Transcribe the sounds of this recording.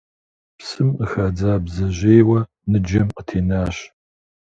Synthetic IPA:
psɨməxaːd͡zaːbzɐʑeːwɐ | nɨd͡ʒɐmqətʰeːnaːɕ

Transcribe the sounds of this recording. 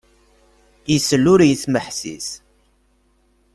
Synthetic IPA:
jəsəlːʊɾjəθməħsḭs

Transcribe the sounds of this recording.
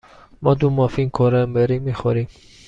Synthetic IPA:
mɔd̪umɔfinkʰɔɾambeɾimiχɔɾi

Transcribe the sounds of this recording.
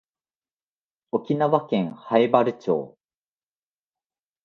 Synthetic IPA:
okʲinaβakẽ̞ŋ̃haebaɾɯ̟t͡ɕo̰ː

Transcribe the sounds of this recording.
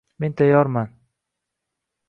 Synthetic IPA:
me̞nt̪ʰajɒɾman

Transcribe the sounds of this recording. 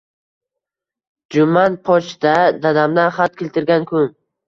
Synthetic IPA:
d͡ʒʊmanpʰɒt͡ʃd̪ad̪ad̪amd̪anχat̪̚kʲelʲt̪ʰɪɾɡʲankʰʲʊŋ

